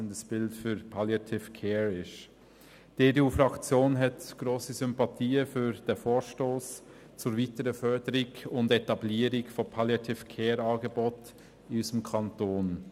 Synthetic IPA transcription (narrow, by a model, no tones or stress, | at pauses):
əndəsb̥ɪltfyɾpʰɑljɑtʰɪfkʰɛːɾɪʃ | d̥eːdeuːfɾɑkt͡sjoːnɦɛtɡ̥ɾoːsizʏmpɑtʰiːəfyːɾd̥ɛfoːɾʃtoːs | t͡sʊːɾviːtəɾəfœɹdəɾɪɡʊndɛtɑbliːəɾɪɡfɔpʰɑljɑtʰɪfkʰɛːɾɑːɡəbot | ɪysəmkʰɑntoːn